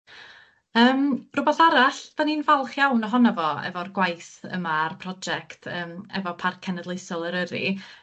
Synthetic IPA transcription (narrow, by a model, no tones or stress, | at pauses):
əːmrʊbɛθaɾaɬv̥aninvalˠχjawnɔɦɔnavɔɛ̰vɔrɡwajθə̰marpʰrɔd͡ʒɛktʰəːmɛ̰vɔpʰarkʰɛnɛdlˠejsɔlˠəɾəɾḭ